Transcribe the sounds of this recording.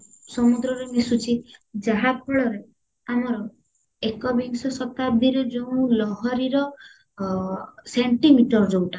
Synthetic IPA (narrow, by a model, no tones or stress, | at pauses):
sɔmud̪ɾɔɾemisut͡ʃʰid͡ʒaɦak̚ɔɭɔɾe | amɔɾɔ | ekɔbeŋsɔsɔt̪ab̚d̪ʱiɾɔd͡ʒoũlɔɦɔɾiɾɔ | seɳʈimiʈɔɾd͡ʒowʈa